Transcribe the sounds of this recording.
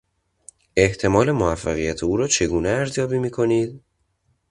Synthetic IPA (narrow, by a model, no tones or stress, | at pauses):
e̞ht̪ʰe̞mɒːle̞moæfːæɣijæt̪ʰeuːɾɒːt͡ʃʰe̞ɡuːneæɾzjɒːbiːmiːkʰo̞niːd̪